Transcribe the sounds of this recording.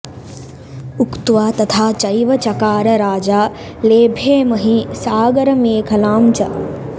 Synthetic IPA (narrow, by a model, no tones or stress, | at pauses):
ukt̪uʋaːt̪ɐt̪ʰaːt͡ʃɐjʋɐt͡ʃɐkaːɾɐɾaːd͡ʒaː | leːbʱeːmɐɦisaːɡɐɾɐmeːkʰɐlaːmt͡ʃɐ